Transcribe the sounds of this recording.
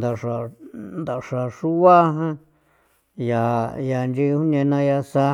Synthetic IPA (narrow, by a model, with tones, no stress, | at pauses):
d̪a˨ʂa˨nd̪a˨ʂa˨ʂu˦βa˦ɦã˦ | ja˨ja˨nd͡ʒi˦˧˦hũ˦nẽ˧nã˧ja˧sa˦